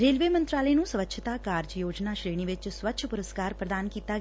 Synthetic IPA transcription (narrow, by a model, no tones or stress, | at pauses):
ɾeːlʋemənt̪ɾaləjnũsʋətːʃʰət̪akaːɾd͡ʒəjoːd͡ʒnaʃɾeːɽ̃iʋɪt͡ʃsʋətːʃʰəpʊɾəskaɾpɾəd̪ankiːt̪a